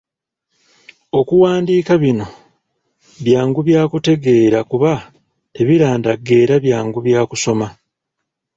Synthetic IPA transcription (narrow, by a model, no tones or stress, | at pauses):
o̞kuwaːndiːkaβino̞ | βjaːŋɡuβjaːkute̞ɡe̞ːɾakuβa | te̞βiɾaːndaɡe̞ːɾaβjaːŋɡuβjaːkuso̞ma